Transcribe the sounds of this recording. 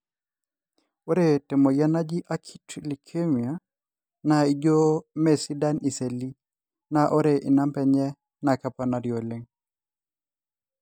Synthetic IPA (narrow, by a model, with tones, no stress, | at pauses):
o˦ɾe˦te˨mo˨ja˦na˦d͡ʒi˦ʔa˦kʰi˦tʰli˨kʰe˦mi˨a˨ | na˨i˨d͡ʒo˦me˨si˦da˦ni˨se˨li˦ | na˨ʔo˦ɾe˨ʔi˨na˦mpɛ˨ɲɛ˦ | na˨ka˨pa˨na˨ɾjo˨le˦ŋ